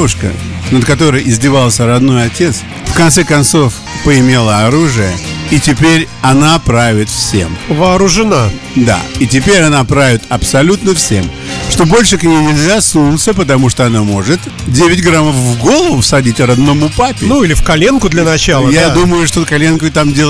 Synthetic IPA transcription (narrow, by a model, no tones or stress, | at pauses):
vʊʂkə̰ | nət̪kɐt̪o̞ɾəjʔɪzʲdʲɪvalˠsʲəɾɐd̪no̞jɐtʲe̞t̪s | fkɐnt̪sɛkɐnt̪so̞f | pəɪmʲe̞lˠəɐɾuʐɨjəitʲɪpʲeɾʲ | ɐnapɾavʲɪt̪fsʲe̞̰mvəɐɾʊʐɨna | d̪a̰ɪtʲɪpʲeɾʲɐnapɾavʲɪt̪ɐpsɐlʲut̪nəfsʲe̞m | ʂt̪o̞bo̞lʲʂɨknʲɪjnʲɪlʲzʲasnut̪səpət̪ɐmuʂt̪oɐnamo̞ʐɨt̪ | dʲevʲɪtʲɡɾaməfvɡo̞lˠəvʊsɐdʲitʲɾɐd̪nomʊpapʲɪnuilʲɪfkɐlʲenkʊd̪lʲɐnɐt͡ɕalˠjad̪uməjʊʂt̪okɐlʲe̞nkʊt̪amdʲelˠ